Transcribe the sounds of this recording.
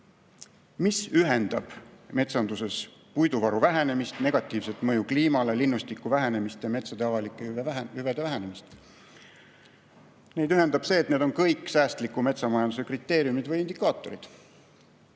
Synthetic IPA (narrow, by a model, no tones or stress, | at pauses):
misyɦe̞nd̪̥ɑb̥me̞t̪sɑnd̪use̞spujd̪uvɑɾuvæɦe̞ne̞mist̪ne̞ɡ̥ɑt̪ːˑiːvse̞t̪ˑmɤjukliːmɑle̞linːust̪ikːˑuvæɦene̞mist̪jɑme̞t̪sɑd̪eɑvɑlikːˑeyvjyved̪e̞væɦæne̞mist̪ | ne̞jd̪yɦe̞nd̪ɑb̥se̞ːt̪ned̪o̞nkɤjkːˑsæːst̪likːˑume̞t̪sɑmɑjɑnd̪use̞krit̪ˑːe̞ːɾjumid̪vɤjind̪ikːˑɑːt̪ˑːo̞̰ɾḭd̪̥